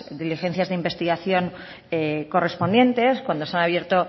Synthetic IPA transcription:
d̪ilixe̞nθjazðeimbe̞st̪iɣaθjo̞ŋ | eko̞re̞spo̞nd̪je̞nt̪e̞skwand̪o̞seanaβ̞je̞ɾt̪o̞

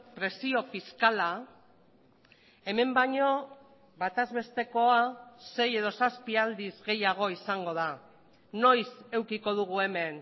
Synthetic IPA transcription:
pɾe̞sio̞fiskala | e̞me̞mbaɲo̞ | βat̪azβe̞st̪e̞ko̞ase̞je̞ð̞o̞saspiald̪izɣe̞jaɣ̞o̞isaŋɡo̞ða | no̞jse̞wkiko̞ð̞uɣ̞ue̞me̞n

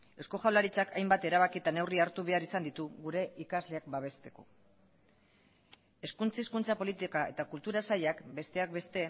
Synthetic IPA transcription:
e̞sko̞xawlaɾit͡sakʰajmbat̪e̞ɾaβ̞akiet̪ane̞wriaɾt̪uβ̞e̞aɾisand̪it̪uɣuɾe̞ʔikazle̞ak̚baβ̞e̞st̪e̞ko̞̰ | e̞skunt͡siskunt͡sapo̞lit̪ikae̞̰t̪akult̪uɾasaʎakbe̞st̪e̞ak̚be̞st̪e̞

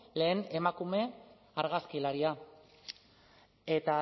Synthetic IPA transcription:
le̞ːne̞makume̞ | aɾɣaskilaɾia | e̞t̪a

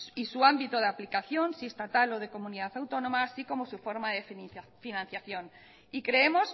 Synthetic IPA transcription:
isuambit̪oð̞eaplikaθjo̞nsiest̪at̪alo̞ð̞e̞ko̞mũniðaθawt̪o̞nõmaːsiko̞mosufo̞ɾmaðeffinãn̟θjaθjo̞n | ikɾe̞emo̞s

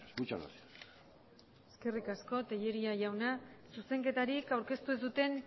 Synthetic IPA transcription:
ut͡ʃa̰na̰s | e̞ske̞rikasko̞t̪e̞ʎe̞ɾiaʝawnasuse̞ŋke̞t̪aɾikawɾke̞st̪uesut̪e̞n

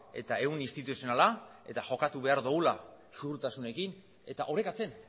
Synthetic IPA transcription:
e̞̰t̪ae̞wnist̪it̪usionalae̞t̪aʝo̞kat̪uβe̞aɾðoɣula | ʃuɣɾt̪asune̞kin | e̞t̪aʔoɾe̞kat͡se̞n

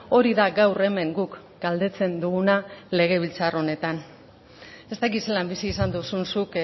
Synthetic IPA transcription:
o̞ɾiðaɡawre̞me̞ŋɡuk | ɡ̥ald̪e̞t͡se̞nd̪uɣunale̞ɣe̞β̞ilt͡saro̞ne̞t̪an | e̞st̪akit̪se̞lambisiːsand̪usunsuk

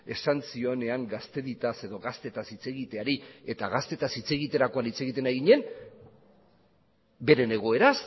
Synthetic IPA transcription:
e̞sant͡sio̞ne̞aŋɡast̪e̞ðit̪ase̞ðo̞ɣast̪e̞t̪asit͡se̞ɣit̪e̞aɾie̞t̪aɣast̪e̞t̪asit͡se̞ɣit̪e̞ɾako̞anit͡se̞ɣ̞it̪e̞naɣiɲe̞n | be̞ɾe̞ne̞ɣ̞o̞eɾas

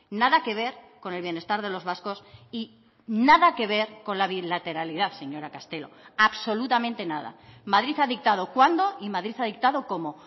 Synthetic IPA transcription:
naðake̞β̞e̞ɾko̞nelβje̞ne̞st̪aɾðe̞lo̞zβasko̞si | naðake̞β̞e̞ɾko̞nlaβilat̪e̞ɾaliðaθse̞ɲo̞ɾakast̪e̞lo̞̰aβso̞lut̪amẽnt̪e̞naða̰maðɾiθaðik̚t̪að̞o̞kwand̪o̞imaðɾiθaðik̚t̪aðoko̞mo̞

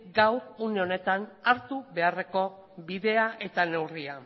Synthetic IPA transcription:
ɡawɾuneo̞ne̞t̪anaɾt̪uβe̞are̞ko̞ | βiðe̞aʔe̞t̪ane̞wria

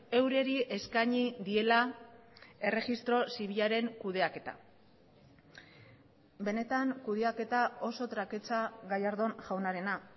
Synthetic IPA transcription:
e̞wɾe̞ɾiʔe̞skaɲiðie̞la | e̞re̞ɣist̪ɾo̞siβ̞iʎaɾe̞ŋkuðe̞ake̞t̪a̰ | be̞ne̞t̪aŋkuð̞eake̞t̪ao̞so̞t̪ɾake̞t͡saɣajaɾðo̞nʝawnaɾe̞na

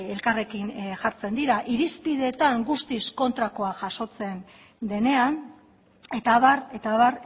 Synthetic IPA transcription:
e̞lkare̞kinʝaɾt͡se̞nd̪iɾaʔiɾispiðe̞ːt̪aŋɡust̪isko̞nt̪ɾako̞aʝaso̞t͡se̞n | d̪e̞ne̞an | e̞t̪aβare̞t̪aβar

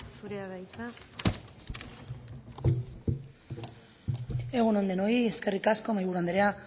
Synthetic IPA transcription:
suɾeaðajt͡s̪a | e̞ɣuno̞nd̪e̞no̞ie̞ske̞rikasko̞majβuɾand̪eɾe̞a

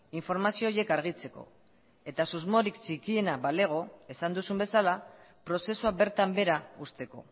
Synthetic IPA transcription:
iɱfo̞ɾmasio̞ːje̞kaɾɣ̞it͡se̞ko̞̰ | e̞t̪asuzmo̞ɾikt͡sikie̞nabale̞ɣ̞o̞e̞sand̪usumbe̞salapɾo̞se̞suabe̞ɾt̪ambe̞ɾaust̪e̞ko̞̰

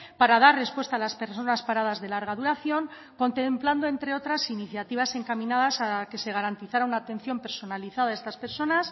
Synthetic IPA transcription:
paɾað̞arre̞spwe̞st̪aːlaspe̞ɾso̞naspaɾað̞azðe̞laɾɣ̞aðuɾaθjo̞ŋ | ko̞nt̪empland̪o̞e̞nt̪ɾe̞o̞t̪ɾasiniθjat̪iβ̞ase̞ŋkamĩnaðasake̞se̞ɣ̞aɾant̪iθaɾaunaːt̪e̞n̟θjo̞mpe̞ɾso̞naliθaðaest̪aspe̞ɾso̞nas

